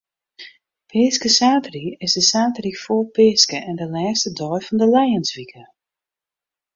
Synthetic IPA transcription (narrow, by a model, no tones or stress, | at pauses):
pʰɪːskəsaːtəriɪsdəsaːtərifoːpɪːskəʔɛndəlɛːstədɔjfɔndəlɛjənsʋikə